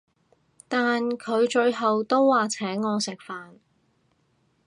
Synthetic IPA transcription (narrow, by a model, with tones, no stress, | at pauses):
t̪aː˨nkʰɵ˨˧ɥt͡ʃɵ˧ɥɦɐ˨wt̪o˥wːaː˨t͡sʰɛː˨˥ŋːɔː˨˧sɪ˨k̚faː˨n